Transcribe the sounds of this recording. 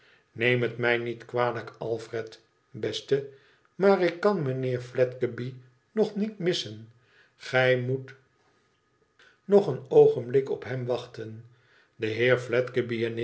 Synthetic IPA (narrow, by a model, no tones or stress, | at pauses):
nejmətmɛjnitkʋaːləkɑlˠfrɛt | bɛstə | maːrɪkːɑnmənɪːɹflɛtkəbi | nɔχnitmɪsən | χɛjmut | nɔχənowχənblɪkɔ̰pɦɛmʋɑχtən | d̪əɦɪːɹflɛtkəbiɛn